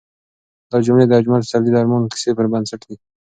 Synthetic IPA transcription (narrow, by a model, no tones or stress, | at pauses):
d̪ɑd͡ʒʊmɽed̪əad͡ʒmalsald̪id̪aɾmɑnkɪ̥sepəɾbənsaʈd̪i